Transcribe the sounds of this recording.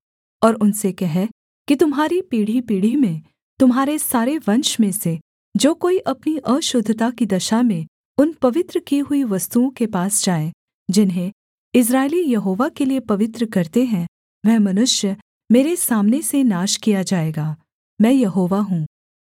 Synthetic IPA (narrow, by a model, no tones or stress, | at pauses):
ɔːɾʊnsekɛɦɛ | kit̪ʊmɦaːɾipiːɽ̤ipiːɽ̤imẽ | t̪ʊmɦaːɾesaːɾeʋɐ̃nʃmẽse | d͡ʒoːkoːiʔɐpniʔəʃʊd̪ʱːət̪akid̪ɐʃamẽ | ʊnpɐʋɪt̪ɾəkiɦʊiʋɐst̪uõkepaːsd͡ʒaːẽ | d͡ʒɪnɦẽ | ɪs̬ɾaːelijɐɦoːʋakeliepɐʋɪt̪ɾəkɐɾt̪eɦɛ̃ | ʋɛɦmɐnʊʃjə | meːɾesaːmnesenaːʃkijad͡ʒaːeːɡaː | mɛ̃ːjɐɦoːʋaɦũː